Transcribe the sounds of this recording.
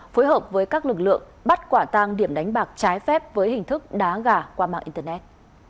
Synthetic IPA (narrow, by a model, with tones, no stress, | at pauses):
foː˨˦jɦəː˨˩p̚vəː˨˦jkaː˦˥k̚lɨ˨˩k̚lɨ̰˧˨əŋ | ɓa˦˥t̚kwaː˧˩t̪aː˧ŋɗi˧˩əmɗa˨˦jŋ̟ɓaː˨˩k̚t͡ɕaː˨˦jfɛ˦˥p̚vəː˨˦jhï˨˩ŋ̟t̪ʰɨ˦˥k̚ɗaː˨˦ɣaː˧˩kwaː˧ma̰ː˧˨ʔi˧nt̪əː˧nɛ˦˥t̚